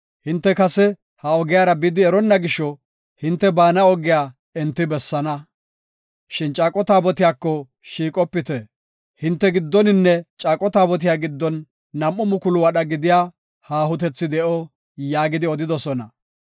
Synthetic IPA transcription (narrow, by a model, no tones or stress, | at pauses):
hɪnt̪ːɛkɐsɛ | hɐɔɡɪjaːɾɐbɪd̪ɪɛɾɔnːɐɡɪʃːɔ | hɪnt̪ːɛbaːnɐɔɡɪjaː | ɛnt̪ːɪbɛsːɐnɐ | ʃɪnt͡ʃʼaːkʼɔt̪aːbɔt̪ɪjaːkːɔ | ʃiːkʼɔpːɪt̪ɛ | hɪnt̪ːɛɡɪd̪ːɔnɪnːɛt͡ʃʼaːkʼɔt̪aːbɔt̪̬ɪjaːɡɪd̪ːɔnː | ɐmʔɔmʊkʊlʊwɐɗɐɡɪd̪ɪjaː | haːɦʊt̪ɛt͡sːɪd̪ɛʔɔ | jaːɡɪd̪ɪɔd̪ɪd̪ɔsɔnɐ